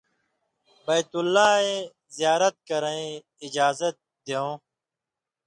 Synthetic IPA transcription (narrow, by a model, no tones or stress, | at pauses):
bɐjt̪ulːaːe | zijaːɾɐt̪̚kɐɾɐẽ | ɪd͡ʑaːzɐt̪̚ | d̪eõː